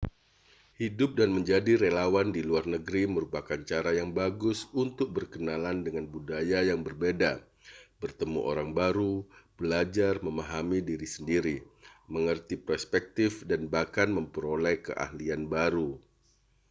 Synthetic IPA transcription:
hidʊp̚danməɲd͡ʒadiɾelawandiluarnəɡɾiməɾupakant͡ʃaɾajaŋbaɡʊsunt̪ʊk̚bərkənalandəŋanbudajajaŋbərbeda | bərt̪əmṵʔo̰ɾaŋbaɾub̥əlad͡ʒarməmaɦamidiɾisəndiɾiməŋərt̪ipɾospɛk̚t̪ɪfdanbahkanməmpəɾolɛkə̰ʔa̰hlianbaɾu

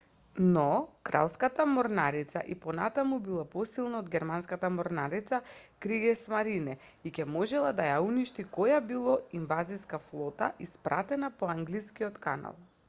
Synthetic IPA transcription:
nɔkɾa̰lˠskat̪amɔɾnaɾit̪sa̰ʔipɔna̰t̪amubilˠapɔsilˠnaod̪ɡʲɛɾmanskat̪amɔɾnaɾit̪sakɾiɡɛsmaɾinɛ | icɛmɔʒɛlˠad̪ajauniʃt̪ikɔjabilˠɔinvaziskaflˠɔt̪a̰ʔispɾʔa̰t̪ɛnapɔaŋɡliskiɔt̪ka̰na̰lˠ

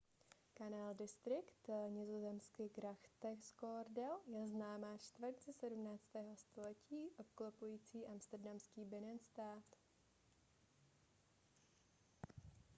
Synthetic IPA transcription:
kanaːldɪst̪ɾɪkt̪ɲɪzo̞zɛmskɪɡɾaxt̪ɛskoɾdɛljɛznaːmaːt͡ʃt̪vəɾt̪zɛsɛdumnaːt͡st̪ɛːɦo̞st̪o̞lɛciːʔo̞p̚klopujiːt͡siːʔamst̪ɛɾdamskiːbɪnɛnst̪aːt̪

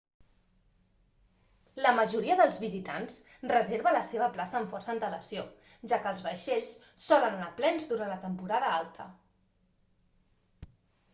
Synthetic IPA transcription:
ləməʒuɾiəðəlˠzβizit̪a̰ns | rəzeɾβələseβ̞əplasəːɱfɔrsənt̪ələsio | ʒakəlˠzβəʃeʎs | sɔlənənaplɛnzd̪uɾanlət̪əmpuɾaðəalˠt̪ʰə

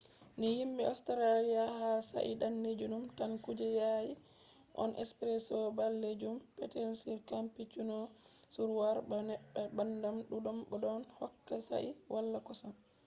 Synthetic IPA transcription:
nijimbiɔstɛɾalijahalsa̰ʔḭɗanːed͡ʒunumtankud͡ʒɛjaji | ʔɔ̰nʔɛ̰spɾɛsɔbalːed͡ʒumpɛtɛlsiɾkampit͡ʃunɔsuɾwaɾbɔnɛɓːɛbandamɗuɗɔmɓɔɗɔnhɔkːasa̰ʔiwʔalːakɔsam

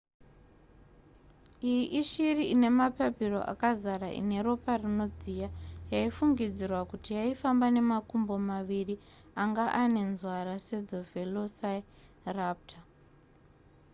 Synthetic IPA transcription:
ijiʔiʃiriʔine̞mapapiro̞̰ʔa̰kazaɾaʔḭne̞ɾo̞parino̞d͡zijajaifuŋɡid͡zirwakutijaifambane̞makumbo̞maʋiri | aŋɡaʔane̞nzwaɾase̞d͡zo̞ve̞losa | rap̚tʰa

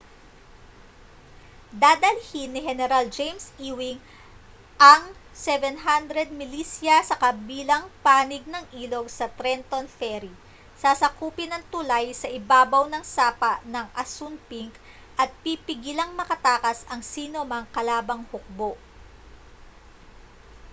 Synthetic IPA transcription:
d̪aːd̪ɐlhinːɪɦɛnɛɾɐld͡ʒejmsiːwɪŋ | ʔɐŋsɛvɛnɦand̪ɾɛd̪̚mɪliːsjɐsɐkɐbiːlɐŋpaːnɪɡ̚nɐŋʔiːlo̞ɡ̚sɐt̪ɾɛnt̪onfɛɾi | sasɐkuːpɪnɐŋt̪ʊlajsɐʔɪbaːbɐwnɐŋsaːpɐʔnɐŋʔɐsunpiŋk | ʔɐt̪̚pipɪɡilɐŋmɐkɐt̪aːkɐsɐŋsiːnomɐŋkɐlaːbɐŋhʊk̚boʔ

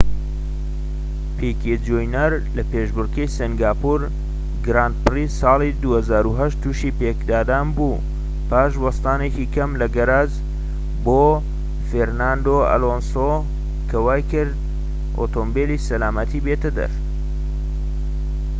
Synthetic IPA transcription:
pʰeked͡ʒojnɐɾ | lɐpeːʒbʊɾkɐjsiŋɡaːpuɾ | ɡɾaːnt̪̚pɨrisɑːlˠid̪uːhɐzaːɾuɦɐʃtt̪ːuʃiːpekd̪aːd̪aːnbu | paːʃwɐst̪aːnekikʰɐmlɐɡɐɾaːz | boː | feɾnand̪oɐ̰loːnso | kʰɐwaːjkɨɾd̪̚ | ʔo̰t̪ombelisɐlaːmɐt̪ʰibet̪ɐd̪ɐ̰ɾ

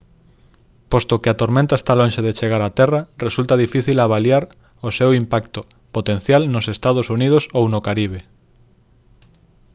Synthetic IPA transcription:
post̪okɪat̪oɾmẽnt̪aest̪alõnʃeðet͡ʃeɣ̞aɾat̪ɛrɐresult̪aðifiθilaβ̞aljaɾ | osewimpakt̪o | pot̪ẽn̟θjalnosest̪að̞osunið̞osownokaɾiβ̞e

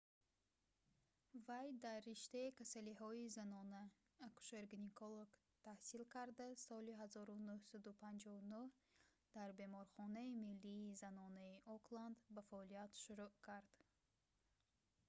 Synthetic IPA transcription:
vajd̪arːiʃt̪aikʰasalihɔizanɔnaː | ku̥ʃeɾɡnikʰoloɡ | t̪ʰahsilkʰaɾd̪asɔliɦazɔɾunuhsad̪upʰand͡ʒɔvunuh | d̪̥aɾbe̞mɔɾχɔnaimilːiːzanɔnaiʔɔkland̪bafaɔliat̪ʃuɾuʔkʰaɾd̪̥

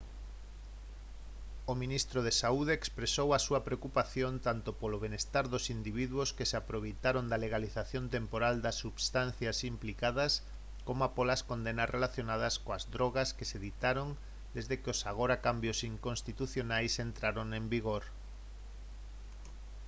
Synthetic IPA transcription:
omĩnist̪ɾoð̞esauð̞eːkspɾesowasuɐpɾeokupaθjont̪ant̪opoloβenest̪aɾðosind̪iβ̞iðuoskeseapɾoβ̞ejt̪aɾond̪ɐleɣaliθaθjont̪empoɾald̪ɐsːuβst̪anθjasimplikaðɐs | komoapolaskond̪enɐsrʔelaθjonað̞ɐskoazdɾoɣɐskeseðit̪aɾoŋ | d̪ezðekeosaɣ̞oɾakambjosiŋkonst̪it̪uθjonajsent̪ɾaɾoŋẽmbiɣoɾ

